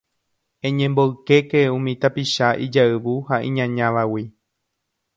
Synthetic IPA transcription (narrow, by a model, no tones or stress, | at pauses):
ẽɲẽmboɨke̞keũmĩt̪apiʃaʔid͡ʒaɨʋuhaʔḭ̃ɲãɲãʋawi